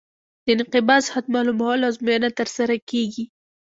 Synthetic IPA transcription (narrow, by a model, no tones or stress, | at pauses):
d̪̥əɪnqɪbɑzhat̪mɑlumawalawzmujanat̪əɾsaɾakeɡi